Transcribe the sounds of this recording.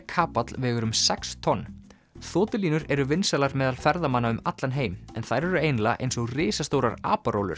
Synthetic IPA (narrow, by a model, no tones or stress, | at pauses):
kʰaːpat̪lvɛːɣʏɾʏmsɛkst̪ʰɔnː | θɔːt̪ɪliːnʏɾɛɾʏvɪnsɛlaɾmɛːðalfɛɾðamanːaʏmat̪lanɦeːjmɛnθajɾɛɾʏejnlaʔḛjnsɔɣrɪːsast̪owɾaɾa̰ːpaɾowlʏ̰ɾ̥